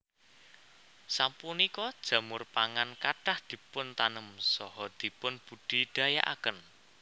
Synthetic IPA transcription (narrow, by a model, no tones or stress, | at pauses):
sampunikɔd̥ʒ̥ä̤mʊrpaŋankaʈahd̪̥i̤pʊnt̪anəmsɔhɔd̪̥i̤pʊnb̥ṳɖ̥i̤ɖ̪̥a̤ja̰ʔa̰kən